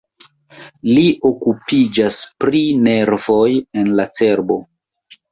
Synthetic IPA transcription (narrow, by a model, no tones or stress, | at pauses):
liʔo̞kupid͡ʒaspɾine̞ɾvo̞je̞nlat͡se̞ɾbo̞